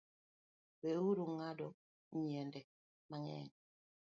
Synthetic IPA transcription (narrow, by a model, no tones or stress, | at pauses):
bewuɾuŋadɔ | ɲɛndɛ | maŋɛ̰ːn